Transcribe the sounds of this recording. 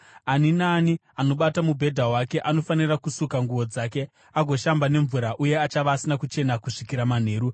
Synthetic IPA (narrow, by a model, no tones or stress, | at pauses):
aninaːni | ano̞ɓatamubʱe̞dʱaɦwake̞ʔano̞fanirakusukaŋɡuʋo̞d͡zaːke̞ | aɡʱo̞ʃambane̞ɱvuɾaʔuje̞at͡ʃaʋaːsinakut͡ʃe̞nakuʂikiɾaman̤e̞ːɾu